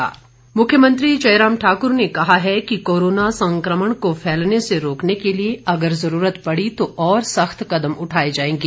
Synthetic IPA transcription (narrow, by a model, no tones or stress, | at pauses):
a̰ː | mʊkʰjəmə̃nt̪ɾid͡ʒɐɪɾaːmʈʰaːkʊɾnekɐɦaɦɛkikoːɾoːnasɐ̃ŋkɾəməɽ̃kofʰɛːlneseɾoːknekelieɐɡəɾzɐɾuːɾət̪pɐɽit̪oʔɔːɾsɐxt̪kɐd̪əmʊʈʰaːid͡ʒaːẽːŋɡiː